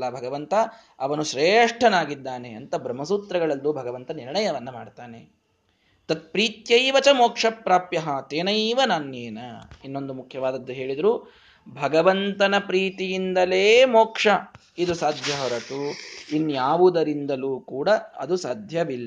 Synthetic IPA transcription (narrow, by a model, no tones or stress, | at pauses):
lːɐbʱɐɡɐʋɐnt̪ɐ | ɐʋɐnuʃɾeːʂʈʰɐnaːɡid̪ːaːneɐnt̪ɐbɾɐmːɐsut̪ɾɐɡɐɭɐld̪ubʱɐɡɐʋɐnt̪ɐniɾɳɐjɐʋɐnːɐmaːɖt̪aːnḛ | t̪ɐt̪̚pɾiːt̪jɐjʋɐt͡ʃɐmoːkʂɐpɾaːpjɐɦɐt̪eːnɐʋɐnaːnːjeːnɐinːo̞nd̪umukʰjɐʋaːd̪ɐd̪ːuɦe̞ːɭid̪ɐɾuː | bʱɐɡɐʋɐnt̪ɐnɐpɾiːt̪ijind̪ɐleːmoːkʂɐ | id̪usaːd̪ʱjɐɦɔɾɐʈuinːjaːʋud̪ɐɾind̪ɐluːkuːɽɐɐ̰d̪usaːd̪ʱjɐbilːɐ